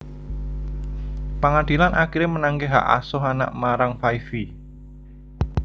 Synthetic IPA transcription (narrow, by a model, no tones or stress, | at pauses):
pəŋad̪̥i̤lanʔakiɾemənaŋɡeɦa̰ʔa̰sɔɦana̰ʔmaɾaŋfaifi